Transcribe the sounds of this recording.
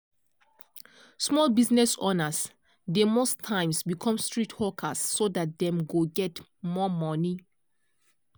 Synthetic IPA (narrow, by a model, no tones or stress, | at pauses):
smɔlbiznɛsonas | demostʰːãɪ̃msbikʰɔ̃mstɹitʰwɔkʰasːodat̚dɛ̃mɡoɡɛt | mɔmɔni